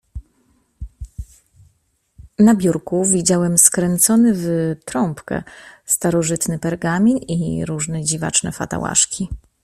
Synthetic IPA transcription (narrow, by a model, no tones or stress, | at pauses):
nabʲjuɾkuvʲid͡ʑawɛmskɾɛnt̪sɔnɘvt̪ɾɔmpkɛ̰st̪aɾɔʐɘt̪nɘpɛɾɡamʲinḭɾuʐnɛd͡ʑiva̰t͡ʂnɛ̰fa̰t̪a̰wa̰ʂkʲi